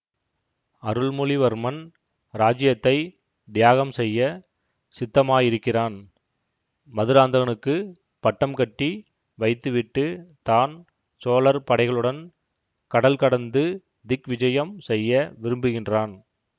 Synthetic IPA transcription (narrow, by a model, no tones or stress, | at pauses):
ɐɾɯɭmʊliʋɐɾmɐn | ɾaːd͡ʒɪjɐt̪ːɐɪ | d̪ɪjaːɣɐmsɛjːɐ | sɪt̪ːɐmaːjɪɾɯkːɪraːn | mɐðɯɾaːnd̪ɐɣɐnɯkːɯ | pɐʈːɐmkɐʈːi | ʋɐɪt̪ːɯʋɪʈːɯt̪aːn | soːlɐɾpɐɽɐɪɣɐɭɯɽɐn | kɐɽɐlkɐɽɐnd̪ɯ | d̪ɪkʋɪd͡ʒɐjɐmsɛjːɐʋɪɾɯmbɯɣɪndraːn